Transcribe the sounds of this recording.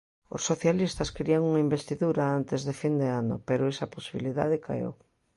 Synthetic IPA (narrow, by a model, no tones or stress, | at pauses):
o̰sːoθjalist̪ɐskɾiaŋuŋaimbest̪iðuɾaant̪ezðefind̪eanʊ̰peɾoesɐposiβiliða̰ðeka̰ḛw